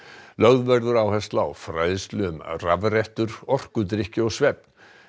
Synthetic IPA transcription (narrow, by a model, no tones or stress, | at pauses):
lœɣðvɛɾðʏɾaːwhɛst̪la̰ːwfɾajðst̪lʏʏmravrɛht̪ʏɾɔr̥kʏt̪̬ɾɪhcɪɔɣsvɛp̚n̥